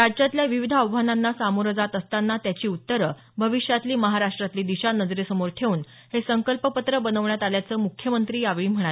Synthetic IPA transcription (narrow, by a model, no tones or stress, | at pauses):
ɾad͡ʑd͡ʑat̪ljaʋiʋid̪ʱəəʋʋananːasamoɾəd͡zat̪əst̪anːat̪jat͡ɕiːut̪ːəɾə | bʱəʋiʂjat̪liːməɦaɾaʂʈɾat̪liːd̪iɕanəd͡zɾesəmoɾʈ̪ʰeuːn | hesəŋkəlpəpət̪ɾəbənəʋɳjat̪aljat͡səːmukʰːjəmənt̪ɾiːjaʋiːm̤əɽ̃a